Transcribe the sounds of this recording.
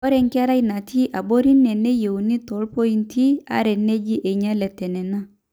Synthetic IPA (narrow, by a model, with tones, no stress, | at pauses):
ɔ˦ɾɛ˨ŋki˦a˦ɾa˦i˨˦na˨tʰi˦ʔa˨bo˦ɾi˦nːɛ˨nɛ˦je˨wu˨ni˦tɔ˨˦lpo˦i˦ntʰi˦a̰˦ɾɛ˨nːe˦d͡ʒi˦ʔe˨ɲa˦lɛ˨tːɛ˨nɛ˨na˦